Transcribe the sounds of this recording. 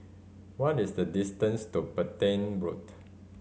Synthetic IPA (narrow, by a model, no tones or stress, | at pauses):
wɔtisdədistə̃nstupətẽnbɹut